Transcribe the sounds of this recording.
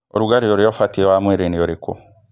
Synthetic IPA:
oɾuɡaɾioɾiofatiewamweɾenioɾiko̰

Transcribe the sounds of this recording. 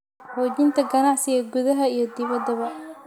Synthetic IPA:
ħɔːd͡ʒɪnt̪ʰɐɡɐnaʕsɪɣɐɡʊðɐɦɐijɞd̪ɪβɐd̪ːɐβɐ

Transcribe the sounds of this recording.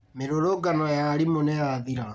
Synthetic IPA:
meɾoɾoɡanɔjaɾimonɛjaðiɾa

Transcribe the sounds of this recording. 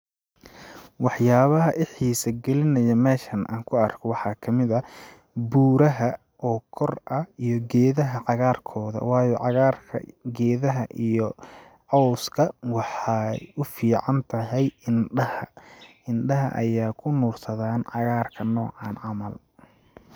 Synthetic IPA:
wɑħjaːβɐɦɐʔɪħiːsɐɡɛlɪnɐjɐmɛːʃɐnʔa̰ːŋkʰʊɐrkʰɔwɑħɑːkʰɐmɪðɐ | buːɾɐɦɐ | ʔɔːkʰɔrʔɐijɔɡɛːðɐɦɐʕɑɣaːrkʰɔːðɐ̰wɑːjɔʕɑɣaːrkʰɐ̰ɡɛːðɐɦɐʔijɔ | ʕɔwskʰɐwɑħɑjʊfiːʕɑnt̪ʰɐɦɛjɪnɖɐhɐ | ɪnɖɐɦɐ̰ʔɐ̰jaːkʰʊnuːrt̪ʰɐðaːnʕɑɣaːrkʰɐnɔːʕɑːnʕɑmɐl

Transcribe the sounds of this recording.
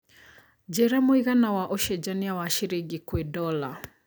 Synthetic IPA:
d͡ʒɛɾamoiɣanawaʔoʃɛd͡ʒaniawaʃiɾeɡikwedɔla

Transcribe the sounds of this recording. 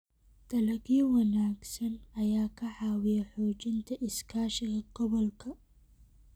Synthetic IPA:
d̪̥ɐlɐɣiːwɐnaːɡsɐnɐjaːkʰɐħɑːwɪjɛħɔːt͡ʃɪnt̪ʰɐʔɪskʰaːʃɪɣɐɡ̥ɔβɔlkʰɐ

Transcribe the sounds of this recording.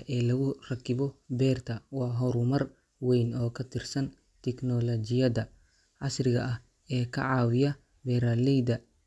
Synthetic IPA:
ʔɛːlɐɣʊrɐkʰɪβɔbɛːrt̪ʰɐwɑːɦɔɾʊmɐr | wɛjnɔːkʰɐt̪ʰɪrsɐn | t̪ʰɛknɔlɔd͡ʒɪjɐd̪ɐ | ʕɑsrɪɣɐʔɐh | ɛːkʰɐ̰ʕɑːwɪjɐ | bɛːɾaːlɛjd̪ɐ

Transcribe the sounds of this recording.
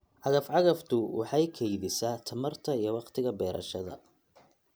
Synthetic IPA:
ʕɑɣɐfʕɑɣɐft̪ʰʊwʔɑ̰ħɑjkʰɛjðɪsaːt̪ʰɐmɐrt̪ʰɐijɞwɑqt̪ʰɪɣɐbɛːɾʔɐ̰ʃɐðɐ̰

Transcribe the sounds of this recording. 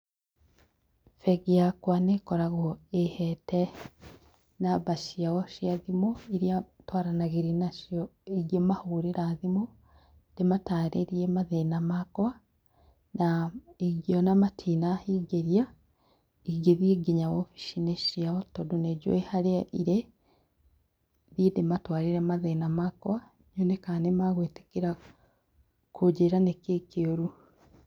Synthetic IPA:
feɡiakwanekoɾaɣoehete | naβaʃiawoʃiaðimoiɾjatwaɾanaɣiɾinaʃioeɡjemahuɾiɾaðimo | d̥emataɾʔeɾiemaðenamakwa | naiɣjonamatʰinahiːɡeɾja | iɣeðjeɡiɲawofi̥ʃineʃiaotoduneɟwehaɾeaʔiɾe | ðjedematwaːɾiɾemaðenamakwa | ɲonekaːnemaɣweːte̥keɾa | kʰud͡ʒeɾanekekeoɾu

